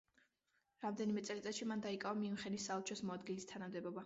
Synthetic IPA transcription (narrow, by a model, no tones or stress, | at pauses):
ɾamd̪ɛnimɛt̪sʼɛlit̪sʼɛʃimand̪aikʼaamimχɛnisalˠt͡ʃʰɔsmɔad̪ɡilist̪ʰanamd̪ɛbɔba